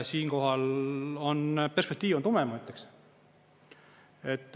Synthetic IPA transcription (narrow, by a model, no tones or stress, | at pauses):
siːŋko̞ɦɑlonperspek̚t̪iːvont̪umemɑyt̪ːˑeks | et̪ːˑ